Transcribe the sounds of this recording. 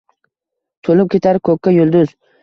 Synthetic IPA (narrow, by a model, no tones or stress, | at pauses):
t̪ʰolɪp̚kʲʰe̞t̪ʰaɾɪkʰɵkʲːajʊlˠd̪ʊz